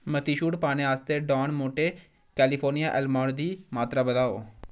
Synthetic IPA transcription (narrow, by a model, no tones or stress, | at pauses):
mɐt̪iʃuːʈpaːnẽɦaːst̪eɖɔːnmoːʈe | kɛːlifʰoːɾnijaʔɛlmɔːɽd̪ʱiːmaːt̪ɾabɐd̪aːo̰ː